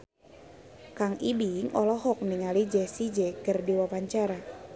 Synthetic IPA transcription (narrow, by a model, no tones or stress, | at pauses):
kaŋibiŋɔlɔɦɔk̚niŋalid͡ʒɛsid͡ʒɛkərdiwapaɲt͡ʃaɾa